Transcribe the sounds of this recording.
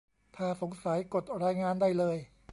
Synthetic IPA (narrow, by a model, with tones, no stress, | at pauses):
t̪ʰaː˥˩so˩˦ŋsa˩˦jko˨˩t̪̚ɾaː˧jŋaː˧ndaː˥˩jlɤː˧j